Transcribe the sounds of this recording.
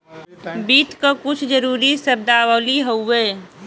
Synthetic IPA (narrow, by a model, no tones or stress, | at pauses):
biːt̪kəkʊt͡ʃʰd͡ʒəɾuːɾisəb̚d̪aːwəliɦoeː